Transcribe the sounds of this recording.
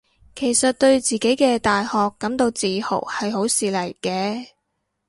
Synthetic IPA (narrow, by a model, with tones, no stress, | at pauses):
kʰe˨˩jsɐ˨t̚t̪ɵ˧ɥt͡siː˨˩ke˨˥jkɛː˧t̪aː˨jhɔː˨kːɐ˨˥mt̪o˧wt͡siː˨ho̰˨˩hɐ˨jho˨˥wsiː˨lɐ˨˩jkɛː˧